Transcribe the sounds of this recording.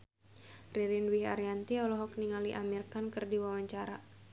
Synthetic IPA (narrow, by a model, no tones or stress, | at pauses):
riɾinwiɦa̰ɾijant̪iɔlɔɦɔk̚niŋaliʔamirkankɨrdiwawaɲt͡ʃaɾa̰